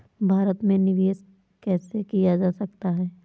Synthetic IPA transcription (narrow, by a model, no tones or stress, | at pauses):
bʱaːɾət̪mẽnɪʋeːs | kɛːsekijad͡ʒaːsɐkt̪aɦɛː